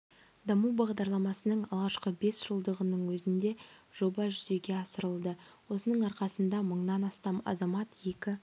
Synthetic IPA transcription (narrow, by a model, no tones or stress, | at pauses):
d̪ɑmubɑʁd̪ɑɾlˠɑmɑsənəɴɑlˠʁɑʃqəbe̞sʒ̥əlˠd̪əʁənəɴwɵzɪnd̪e̞ʒ̥o̞bɑʒʏze̞ɡʲe̞ɑsəɾəlˠd̪əwo̞sənəɴɑɾqɑsənd̪ɑməɴd̪ɑnɑst̪ɑmɑ̰zɑmɑt̪je̞kʲɪ